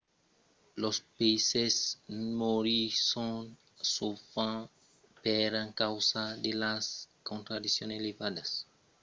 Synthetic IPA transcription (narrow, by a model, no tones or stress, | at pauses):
lospesesmoɾisõ | sufã | pɛɾãŋkawsad̪elaskõnt̪ɾad̪isjõnelevad̪ɐs